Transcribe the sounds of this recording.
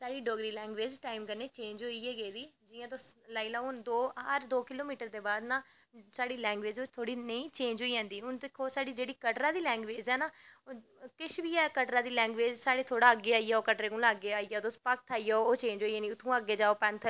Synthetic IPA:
saːɽiːɖoːɡɾiːlɛ̃ːŋɡʋeːd͡ʒʈaːɪmkəɾneːt͡ʃẽːnd͡ʒɦoːiːɛːɡeːd̪iːd͡ʒɪːãːt̪oslaːilaːʊnd̪oːɦəɾd̪oːkɪloːmiːʈəɾd̪eːbaːd̪naː | saːɽiːlɛ̃ːŋɡʋeːd͡ʒoːt̪ʰoːɽiːnəĩːt͡ʃẽːnd͡ʒɦoːiːãːnd̪iːʊnd̪eːkʰoːsaːɖiːd͡ʒeːɽiːkəʈɾãːd̪iːlɛ̃ːŋɡʋeːd͡ʒɛːnaː | kɪʃʰbiːɛːkəʈɾãːd̪iːlɛ̃ːŋɡʋeːd͡ʒsaːɽeːt̪ʰoːɽaːəɡeːaːiːaːoːkəʈɾeːkʊlaːɡeːaːiːaːoːt̪ʊːspək̚t̪ʰaːiːjaːooːt͡ʃẽːnd͡ʒɦoːiːãːniːʊt̪ʰːũːəɡeːd͡ʒaːoːpɛ̃nt̪ʰə

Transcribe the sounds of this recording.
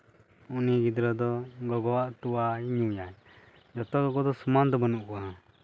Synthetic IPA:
uniɡid̪ɾɔd̪ɔɡɔɡɔwaʔt̪uwaiɲujaj | d͡ʒɔt̪ɔɡɔɡɔd̪ɔsumand̪ɔbɔnuʔkɔwa

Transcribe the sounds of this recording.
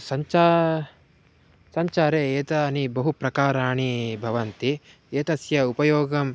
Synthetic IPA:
sɐɲt͡ʃaː | sɐɲt͡ʃaːɾeeːt̪ɐnibɐɦupɾɐkaːɾaːɳibʱɐʋɐnt̪i | eːt̪ɐsjɐupɐjoːɡɐm

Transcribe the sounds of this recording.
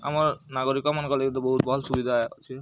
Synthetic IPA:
a̰maɾnaɡoɾikɔmankɔlekint̪uboɦut̪̚bɔɦɔlsubid̪ʱao̰t͡ʃʰi

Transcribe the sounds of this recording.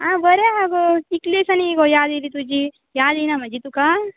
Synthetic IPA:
ɦãbɐɾeɦaɡoiklesɐniɡojaːd̪ilit̪ud͡ʒi | jaːd̪ejnamɐd͡ʒit̪uka

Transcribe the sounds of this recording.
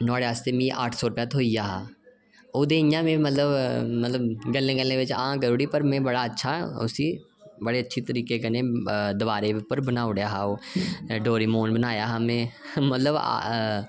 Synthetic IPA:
nɔːɽeɦaːst̪eːmĩːʔa̰ːʈʰsɔːɾpɛːt̪ʰoːijaːɦaː | oːd̪eːɪjãːmẽːmət̪ləbmət̪ləbɡəlːẽːɡəlːẽːʋɪt͡ʃã̰ːkəɾuːɽiːpəɾmẽːbəɽaːətːʃʰaʊ̰siː | bəɽeːətːʃʰit̪əɾiːkekənẽːd̪ɪbaːɾeʋʊpːəɾbənaːʊɽjaːɦaːoːɖoːɾiːmoːnbənaːjaːɦaːmẽːmət̪ləb̰

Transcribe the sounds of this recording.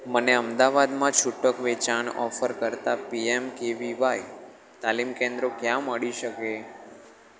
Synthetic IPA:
məneəmd̪aʋad̪mãt͡ʃʰuʈəkʋet͡ʃaɳɔ̰fəɾkəɾt̪apiemkeʋiʋaj | t̪alimkẽnd̪ɾokjãməɭiʃəke

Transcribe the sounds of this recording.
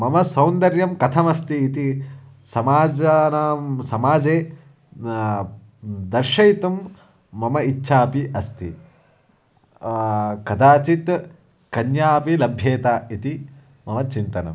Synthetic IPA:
mɐmɐsɐwnd̪ɐɾjɐmkɐt̪ʰɐmɐst̪iːt̪i | sɐmaːd͡ʒɐnaːmsɐmaːd͡ʒeː | d̪ɐɾʃɐjt̪umː | ɐmɐitːʃʰaːpiʔɐst̪ḭ | kɐd̪aːt͡ʃit̪ | kɐnjaːpilɐbʱjeːt̪aːit̪i | mɐmɐt͡ʃint̪ɐnɐ̰m

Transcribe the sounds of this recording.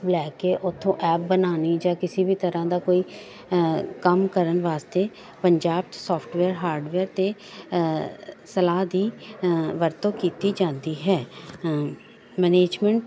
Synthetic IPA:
blɛːkeːʔʊt̪ʰːõːʔɛːp̚bənaːniːd͡ʒaːkɪsiːbʱiːt̪əɾãːd̪aːkoːiː | kəmkəɾənʋaːst̪eː | pəɲd͡ʒaːb̚sɔːpʰʈʋɛːɾɦaːɾɖʋɛːɾt̪eː | səlaːd̪iːʋəɾt̪õːkiːt̪iːd͡ʒãːnd̪iːɦɛː | mɛːneːd͡ʒmɛ̃ɳʈ

